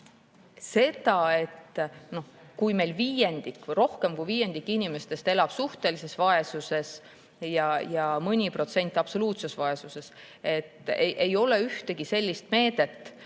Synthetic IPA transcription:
se̞d̪ɑe̞t̪no̞h | kujme̞jlviːje̞nd̪̥ikːro̞hke̞mkujviːje̞nd̪̥ikːˑinimest̪e̞st̪e̞lɑb̥suht̪e̞lise̞svɑe̞suse̞s | jɑjɑmɤnʲipro̞t̪se̞nʲt̪ːˑɑb̥so̞luːt̪se̞svɑe̞suse̞s | e̞t̪ːˑeʔejo̞le̞yht̪e̞ɡ̥ise̞lʲːist̪̚me̞ːd̪̥e̞t̪ːˑ

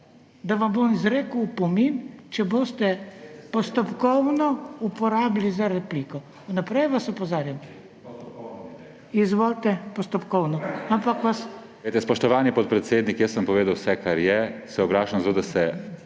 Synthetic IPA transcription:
d̪aʋambomizɾeːkəwpɔmint͡ʃɛboːst̪ɛpɔst̪ɔpkɔwnɔupɔɾaːblizaɾɛpliːkɔ | unapɾɛjʋasɔpɔzaːɾjam | izʋoːlt̪ɛpɔst̪ɔpkɔwnɔampakʋas | et̪ɛspɔʃt̪ɔʋaːnipɔt̪̚pɾɛt̪seːd̪nikjəsːəmpɔʋeːd̪awsɛkʰaɾjɛsɛɔɡlaːʃamzat̪oːd̪asɛ

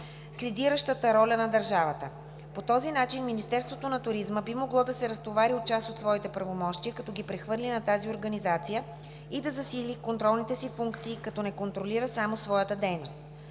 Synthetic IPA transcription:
slɛd̪iɾəʃt̪ət̪əɾɔlʲənɐd̪əɾʒavət̪ə | pot̪ɔzinat͡ʃinminist̪ɛɾst̪vot̪onɐt̪ʊɾizməbimoɡlˠɔd̪ɐsɛɾɐst̪ovaɾiot̪̚t͡ʃasot̪svɔit̪ɛpɾɐvomɔʃt̪iəkɐt̪ɔɡipɾɛxvɤɾlʲinɐt̪azioɾɡɐnizat̪sijə | id̪ɐzɐsilikont̪ɾɔlˠnit̪ɛsifuŋkt̪siːkɐt̪ɔnɛkont̪ɾoliɾəsamosvɔjət̪əd̪ɛjnost̪

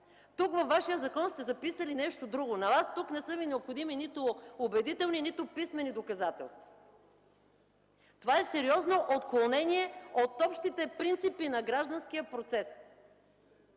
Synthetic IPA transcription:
t̪ukvɐfvːaʃijəzɐkɔnst̪ɛzɐpisəlinɛʃt̪od̪ɾuɡonɐvast̪uknɛsɤvinɛopxod̪iminit̪ʊobɛd̪it̪ɛlˠninit̪ʊpismɛnid̪okɐzat̪ɛlˠst̪vɐ̥ | t̪ovaɛsɛɾiɔznoʔot̪klˠonɛniɛot̪ɔpʃt̪it̪ɛpɾint̪sipinɐɡɾaʒd̪ɐnsk̟ijəpɾot̪sɛs

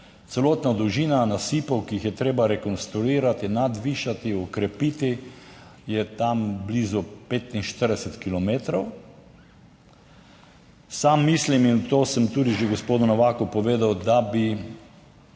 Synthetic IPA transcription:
t̪sɛloːt̪nad̪uʒiːnanasiːpɔwkijixjɛt̪ɾeːbaɾɛkɔnst̪ɾuiːɾat̪inad̪ʋiːʃat̪iɔkɾɛpit̪i | jɛt̪amblizɔpeːt̪inʃt̪əɾd̪ɛsɛt̪kilɔmeːt̪ɾɔw | samːisliminwt̪oːsəmt̪uːd̪iʒeɡospoːd̪ʊnɔʋaːkʊpɔʋeːd̪awd̪abi

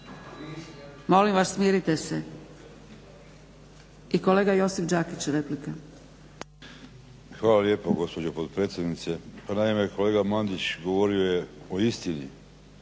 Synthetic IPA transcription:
mo̞limʋassmiːɾit̪e̞se | iko̞le̞ːɡajo̞sifd͡ʒaːkit͡ɕɾeplika | xʋaːlalje̞ːpoɡo̞spo̞d͡ʑopod̪pɾet̪sʲjed̪nit̪se̞panaimeko̞le̞ːɡamand̪it͡ɕɡo̞ʋoɾio̞je̞oist̪inḭ

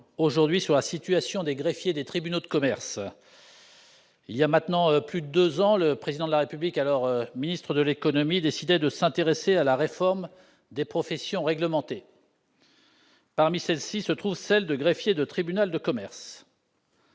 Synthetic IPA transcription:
oʒuʁd̪ɥisyʁlasit̪yasjɔ̃d̪eɡʁefjed̪et̪χibynod̪əkɔmɛʁs | iljamɛ̃t̪nɑ̃plyd̪əd̪øzɑ̃ləpχezid̪ɑ̃d̪laʁepyblikalɔʁminist̪χəd̪əlekɔnɔmid̪esid̪ɛd̪əsɛ̃t̪eʁesealaʁefɔʁm | d̪epχɔfɛsjɔ̃ʁɛɡləmɑ̃t̪e | paʁmisɛlsisət̪χuvsɛld̪əɡʁefjed̪ət̪χibynald̪əkɔmɛʁs

